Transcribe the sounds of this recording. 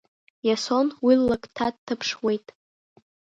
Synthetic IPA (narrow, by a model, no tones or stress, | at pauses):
jaso̞nwilːakʼtʰadtʰːɨpʰʂwe̞jtʼ